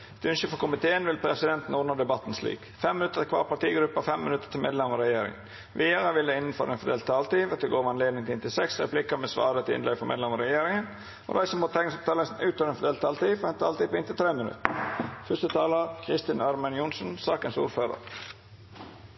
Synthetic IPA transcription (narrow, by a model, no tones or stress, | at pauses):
ɛt̪ʉnʃəfɔkʰʊmɪt̪ʰeːənʋɪlpʰɾɛsɪd̪ɛnt̪n̩ɔːnəd̪ɛbɑt̪ːn̩slḭːk | fɛmːɪnʉt̪ːəkʰʋɑ̰ːɾpɑʈ̪iːɡɾʉpːɑfɛmːɪnʉt̪ːə̥t̪ʰɪmḛːd̪ɛmɑɔɾɛjeːɾɪ̰ŋn | ʋiəɾəʋɪld̪ɛɪnən̩fɔ̰ɾenfɔd̪eːlt̪ʰːɑlt̪iːʋɑt̪d̪ɛɡoːɾʋɑneːd̪nɪŋt̪ʰɪɪnt̪ʰɪlsɛksɾɛ̰pʰlɪkəmɛsʋɑ̰ːɾət̪ʰɪɪ̰nlɛɡfɔɾmḛd̪lɛmɑɾɛjeːɾɪŋən | ɔ̰d̪æɪsəmɔt̪t̪ʰɛŋəsɔpt̪ʰɑːləsn̩ʉːt̪øːɾɛnfɔd̪eːlt̪ʰːɑːlt̪iːfɔɾɛnt̪ʰɑːlt̪iːpɔɪnt̪ʰɪlt̪ʰɾeːmɪnʉ̰t̪əfʏst̪ət̪ʰɑːləɾkʰɾɪst̪ɪnɑɾmɛnjʊnsn̩sɑːkənsṵːɾføːɾə̰ɾ